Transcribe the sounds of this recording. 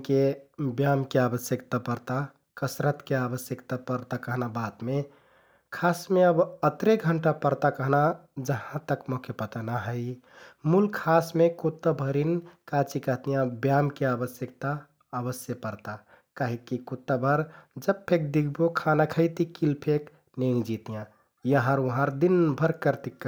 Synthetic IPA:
kebjamkeabəsjəkt̪apəɾt̪a | kəsɾət̪keabəsjəkt̪apəɾt̪akəɦnabat̪me | kʰasmeəbət̪ɾeɡʱəɳʈapəɾt̪akəɦnad͡ʒəɦãt̪əkmokʰepət̪ənaɦəɪ | mulkʰasmekot̪ːabʱəɾinkat͡ʃikəɦt̪ijãbjamkeabəsjəkt̪aː | bəsjəpəɾt̪a | kaɦikikut̪ːabʱəɾd͡ʒəbpʰek̚d̪iɡbokʰanakʰəɪt̪ikilpʰek | nẽd͡ʒit̪ijã | jəɦə̃ɾuɦãɾd̪inbʱəɾkəɾt̪ikː

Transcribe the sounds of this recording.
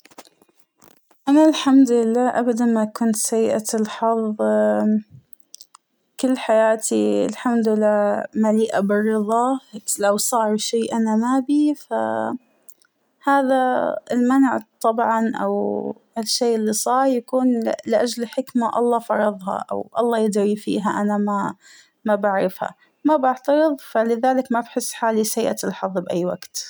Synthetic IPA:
ʔanalħamd̪lɪlːaːʔabad̪anmakʊnt̪sajːʔalħɑðˤ | kɪlːħajaːt̪ʰiɪ̰lħamd̪ɪlːaːmaliːʔabɪrːɨðˤɑlawsˤɑːɾˤʃeːʔanamaːbifa̰ | haːðaɪ̰lmanʕt̪ˤɑbʕɑnʔa̰w | alʃːeːʔɪlːisˤɑːɾˤjakuːnlɪʔad͡ʒlħɪkmaʔɑ̰lˤːɑːfɑɾˤɑðˤhɑ̰ʔa̰wʔɑ̰lˤːɑːjɪd̪ɾifḭːɦaʔanama | mabaʕɾɪfha̰ | mabaʕt̪ɑɾɨðˤfalɪðaːlɪkmabħɪsːħaːlisajːʔat̪ɪlħɑðˤːbʔajːwa̰ɡt̪

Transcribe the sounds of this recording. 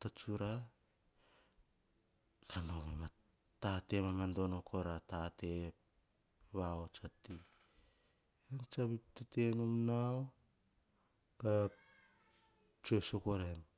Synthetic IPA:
tat͡ʃuɾa | kanomema | tate̞mamando̞nokʰoɾatate | βaot͡ʃati | ant͡ʃaβiptatenumnao | ka | t͡ʃosokoɾen

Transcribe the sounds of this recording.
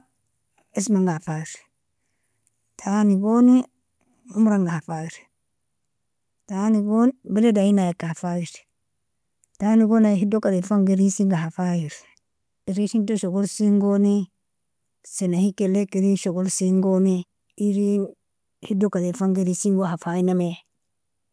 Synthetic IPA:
esmaŋɡafaiɾ | tʰaniɡoni | umɾaŋɡahafajiɾ | taniɡonbeledainajakafajiɾ | taniɡonaɦidokadefaŋɡeɾisiŋɡahafajiɾi | iɾisintoʃoɡolsiŋɡoni | senahikelekeɾiʃoɡolsiŋɡoni | iɾi | hidokadefaŋɡeɾisiŋɡohafainame

